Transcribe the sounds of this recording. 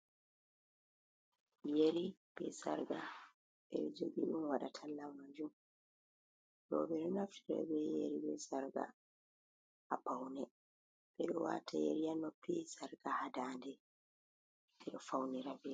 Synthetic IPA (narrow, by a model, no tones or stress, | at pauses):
jeɾib̥ɛsa̰ɾɡa | bɛɗɔd͡ʒoɡiɗunwaɗatʰalːamad͡ʒum | ɗɔ̰bɛɗɔnaftʰiɾa̰bɛjeɾibɛsaɾɡa̰ | apawnɛ | bɛɗɔwatʰajḛɾijanːɔpisaɾɡ̥ahadaːndɛ | ɛɗɔfawniɾabɛ